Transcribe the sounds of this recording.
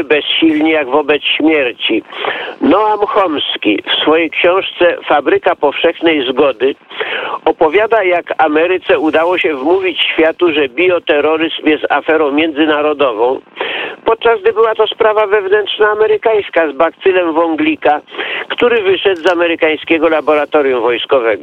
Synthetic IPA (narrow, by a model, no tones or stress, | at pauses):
bɛsɕilɲijaɡvɔbɛt̪sɕmʲjɛɾt͡ɕinɔamxɔmskʲḭfsfɔjejkɕɔ̃w̃ʂt̪sɛfabɾɘkapɔfʂɛxnɛjzɡɔd̪ɘ | ɔpɔvʲjad̪ajakamɛɾɘt̪sɛud̪awɔɕɛvmuvʲit͡ɕɕfʲjat̪uʐɛbʲiɔt̪ɛɾɔɾɘzmjɛst̪afɛɾɔ̃w̃mʲjɛ̃nd̪zɘnaɾɔd̪ɔvɔ̃w̃pɔt̪̚t͡ʂazɡ̚d̪ɘbɘwat̪ɔspɾavavɛvnɛnt̪ʂnaːmɛɾɘkaj̃skazbakt̪sɘlɛmvɔŋɡlʲikakt̪uɾɘvɘʂɛd̪zamɛɾɘkaj̃skʲɛɡɔlabɔɾat̪ɔɾʲjumvɔjskɔvɛɡɔ